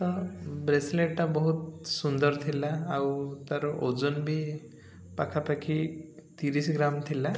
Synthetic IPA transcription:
t̪ɔbɾesleʈʈabɔɦut̪sund̪ɔɾt̪ʰilaːwt̪aɾɔʔod͡ʒonbʱi | pakʰapakʰit̪iɾisɡɾamt̪ʰila

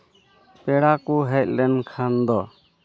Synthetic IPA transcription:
pɛɽakuɦɛt̪̚lɛnkʰand̪ɔ

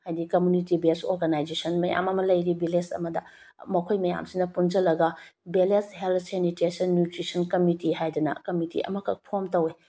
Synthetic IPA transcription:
hajdikɐmjunitibeso̰ɾɡanajd͡ʒesɐnmɐja̰mɐmɐlɐjɾibelesɐ̰mɐdɐ̰ | mɐkʰojmɐja̰msinɐpund͡ʒɐlɐɡɐbeleshelt̪ʰsenitesɐnːjutɾisɐnkɐmitiɦajdunɐ̰kɐmitḭʔɐ̰mɐkʰɐ̰k̚pʰomtɐwe

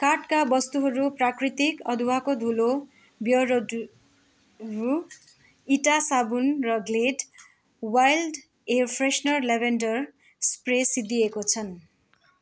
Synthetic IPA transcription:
karʈkabʌst̪uɦʌɾuprakrit̪ikʌd̪ʱuwakod̪ʱulo | bjʌɾ | ru | iʈasabunrʌɡleʈ | wajlɖ | erpʰresnʌrlebʱenɖʌr | spresid̪iekot͡sʰʌn

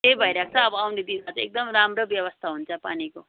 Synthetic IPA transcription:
t̪ejbʱʌjɾak̚ʰt͡sʰʌːbʌawned̪iat͡sʰek̚d̪ʌmɾamɾʌbjʌwʌst̪ʰaɦunt͡sʰʌpa̰niko

